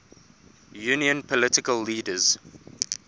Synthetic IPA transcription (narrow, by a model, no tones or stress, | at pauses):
juːniə̃npʰɔlɪtɪkəlːiːdəz̥